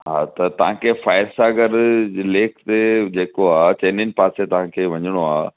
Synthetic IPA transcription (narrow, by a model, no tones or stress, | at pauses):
ɦaːt̪ɐt̪ɐʋ̤ãkʰefaːɪɾsaːɡəɾleːkʰt̪ed͡ʑeːkoaːt͡ɕeːnɪnɪ̆paːset̪ɐʋ̤ãkʰeːʋɐɲɪɽ̃oaː